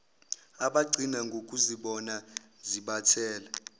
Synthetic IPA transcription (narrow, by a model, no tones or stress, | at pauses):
aɓaɡ͡ǀʱinaŋɡʱokʼuziɓɔna | ziɓatʰɛːla